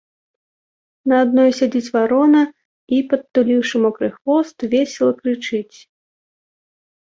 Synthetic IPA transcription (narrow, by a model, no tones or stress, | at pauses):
nɐad̪̚nɔjsʲad͡zʲit͡sʲvaɾɔnɐ | ipɐt̪ːulʲiwʂɨmɔkɾɨxvɔst̪vʲesʲɛlˠɐkɾɨt͡ʂɨt͡sʲ